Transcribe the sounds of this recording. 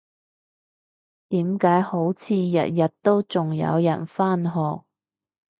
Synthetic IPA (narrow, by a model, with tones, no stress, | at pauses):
t̪iː˨˥mkaː˨˥jho˨˥wt͡sʰiː˨˧jɐ̰˨t̚jɐ˨t̚t̪o˥wt͡sʊ˨ŋjɐ̰˧wjɐ̰˨˩nfaː˥nɦɔː˨k̚